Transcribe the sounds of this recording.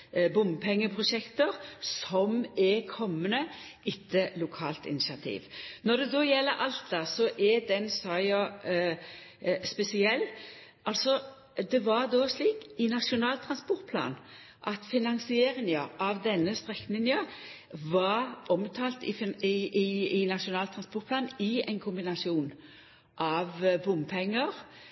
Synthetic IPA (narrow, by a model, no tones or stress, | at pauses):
bʊmpʰɛŋːəpʰʁʊʂɛkt̪əɾsɔmɛkʰɔmːənə | ɪt̪ʰːəlʊkʰɑ̰ːlt̪ɪ̰nɪsɪɑt̪ʰḭːʋnɔd̪ɛd̪oːjɛlːəɾʔɑlt̪̚d̪ɑsɔʔɛd̪ɛnsɑɑ | spɛsɪɛlː | ɑlsɔ | d̪ɛʋɑɾd̪oːsliːkɪnɑʂʊnɑːlt̪ʰɾɑnspʊɾt̪̚pʰlɑ̰ːn | ʔɑt̪fɪnɑnsɪeːɾɪŋəʔɑʋd̪ɛnːəst̪ɾɛkːnɪŋə | ʋɑɾʔɔmt̪ʰɑːlt̪ɪfɪɪɪnɑʂʊnɑːlt̪ʰɾɑnspɔɾt̪̚pʰlɑːnɪɛɪnkʰʊmbɪnɑsɪuːn | ʔɑʋbʊmpʰɛŋːəɾ